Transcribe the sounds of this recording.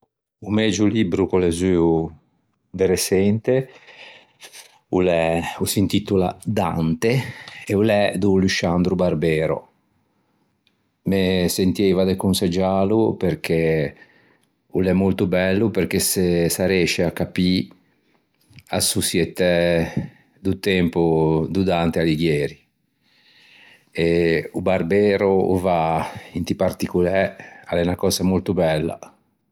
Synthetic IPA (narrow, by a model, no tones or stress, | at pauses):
umɛd͡ʒulibɾukolezyːu | d̪eɾesɛnt̪e | ulɛusint̪it̪ulad̪a̰nt̪eeulɛd̪uluʃand̪ɾubarbɛːɾo̰ | mesent̪iɛjvad̪ekunsad͡ʒaːluperk̟e | ulɛmːolt̪ubɛlːupeɾk̟esesaɾɛʃeakːapi | a̰susjɛt̪ɛ | d̪ut̪ɛmpud̪ud̪ant̪ealiɡjɛːɾi | eubarbɛːɾuṵvaint̪ipart̪ikulɛa̰lɛnakɔːzamolt̪ubɛlːa̰